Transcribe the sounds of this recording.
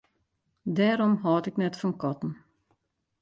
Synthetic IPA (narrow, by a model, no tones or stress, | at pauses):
dɛːɾɔmɦɔːtɪknɛtfɔnkɔtn̩